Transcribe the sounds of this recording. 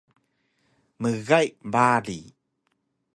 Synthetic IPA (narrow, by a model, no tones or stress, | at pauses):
məɣajʔbalḭ